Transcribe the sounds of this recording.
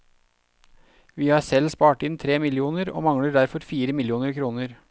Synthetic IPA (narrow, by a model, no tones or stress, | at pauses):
ʋiːhɑːɾsɛlspɑːʈɪnt̪ʰɾeːmɪlɪuːnəɾo̰ːmɑŋɽəɖæɾfɔɾfiːɾəmɪljuːnəɾkʰɾuːnəɾ